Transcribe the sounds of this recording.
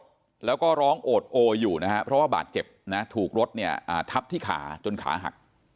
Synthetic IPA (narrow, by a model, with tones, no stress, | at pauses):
lɛː˦˥wkɔː˥˩ɾɔː˦˥ŋʔoː˨˩t̪̚ʔoː˧jːuː˨˩na˦kʰa˦˥pʰɾɔ˦˥waː˥˩ba̰ː˨˩t̪̚t͡ɕe˨˩p̚na˦˥t̪ʰuː˨˩k̚ɾo˦˥t̪̚ni˥˩ɐʔaː˨˩t̪ʰa˦˥p̚t̪ʰiː˥˩kʰa̰ː˩˦t͡ɕo˧nkʰa̰ː˩˦ɦa̰˨˩k̚